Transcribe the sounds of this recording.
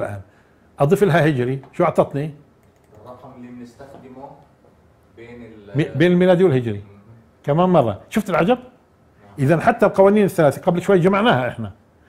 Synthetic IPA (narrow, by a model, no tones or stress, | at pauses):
lʕa̰ːm | ʔɑd̪ˤɨfɪlɦahɪd͡ʒɾiʃuːʔɑʕt̪ˤɑt̪ˤni | beːnɪlmiːlaːd̪iwɪlhɪd͡ʒɾi | kamaːmmɑrˤːɑ̰ʃʊft̪ɪlʕad͡ʒab̚ | ʔɪðanħat̪ːalqɑwaːniːnɪθːalaːθiqɑblʃwajːd͡ʒamaʕnaːhaʔɪ̰ħna